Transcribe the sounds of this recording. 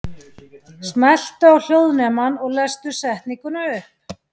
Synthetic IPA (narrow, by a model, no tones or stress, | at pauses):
smɛl̥t̪ʏawl̥jowðnɛmanɔɣlɛst̪ʏsɛht̪niŋkʏnaʏhp̚